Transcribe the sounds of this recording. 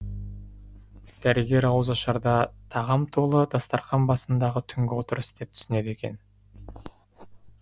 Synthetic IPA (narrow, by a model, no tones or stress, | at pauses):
d̪̥æɾɪɡʲe̞ɾɑwəzɑʃɑɾd̪ɑt̪ʰɑʁɑmt̪ʰo̞lˠəd̪ɑst̪ɑɾχɑnbɑsənd̪ɑʁət̪ʰʏŋɡʲɪwo̞t̪əɾəsd̪e̞p̚t̪ʰʏ̥sɪne̞d̪e̞kʲen